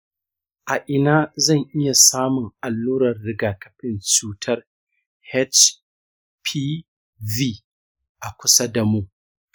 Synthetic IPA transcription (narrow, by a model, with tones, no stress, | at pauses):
ʔa˨ʔɪ˨naː˦zɐ˦˨ŋʔɪ˦ja˨saː˦mʊ˨ŋʔa˨lːuː˦ɾɐ˨rːɪ˦ɡaː˨kɐ̥˦ɸɪ˨nt͡ʃuː˦tʰɐ˦r | hɛ˦t͡ʃ | pʰi˦ | viː˦ | ʔa˨kʷʊ˦sa˦da˨mu˦ʔ